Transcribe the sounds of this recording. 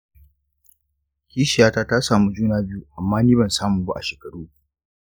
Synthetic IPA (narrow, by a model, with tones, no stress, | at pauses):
kʲiː˦ʃɪ˨jaː˦taː˦ta˦saː˨mu˦d͡ʒuː˦naː˦bɪ˦ju˦ʔa˨mːaː˦niː˦bɐ˨nsaː˦mʊ˨mbu˦ʔa̰˨ʃeː˨kɐ˨ɽuː˦